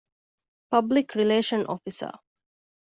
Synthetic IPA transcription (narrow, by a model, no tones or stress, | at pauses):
pɐblikʰɾileːʃənʔo̰fisə̰